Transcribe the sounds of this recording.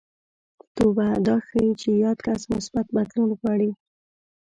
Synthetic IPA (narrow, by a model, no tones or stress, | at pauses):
t̪obad̪ɑxajit͡ʃejɑd̪kasmʊsbat̪bad̪lunɣwɑɽi